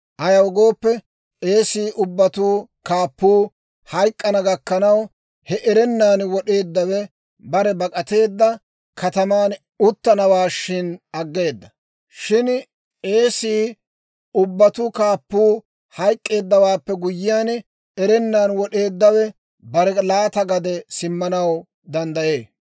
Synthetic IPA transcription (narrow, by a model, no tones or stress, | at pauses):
ʔɐjɐwɔɡo̞ːpːɛ | e̞ːsiːʔʊbːɐt̪uːkaːpːuː | hɐjkʼːɐnɐɡɐkːɐnɐw | hɛʔɛɾɛnːaːnwɔɗe̞ːd̪ːɐwɛ | bɐɾɛbɐkʼɐt̪e̞ːd̪ːɐ | kɐt̪ɐmaːn | ʊt̪ːɐnɐwaːʃɪnɐɡːe̞ːd̪ːɐ | ʃɪn | e̞ːsiː | ʊbːɐt̪ʊkaːpːuː | hɐjkʼːe̞ːd̪ːɐwaːpːɛɡʊjːɪjaːn | ɛɾɛnːaːnwɔɗe̞ːd̪ːɐwɛ | bɐɾɛlaːt̪ɐɡɐd̪ɛsɪmːɐnɐw | d̪ɐnd̪ɐje̞ː